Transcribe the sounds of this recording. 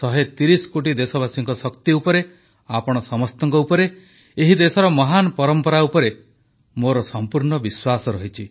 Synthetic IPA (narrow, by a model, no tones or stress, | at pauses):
t̪ɔɦet̪iɾisɔ̥koʈ̬id̪esɔbasiŋkɔsɔkt̪iupɔɾe | apɔɽ̃ɔsɔmɔst̪ɔŋkɔupɔɾe | eɦid̪esɔɾɔmɔɦanɔpɔɾɔmpɔɾaupɔɾe | moɾɔsɔmpuɾɳɔbiswasɔɾɔɦit͡ʃʰi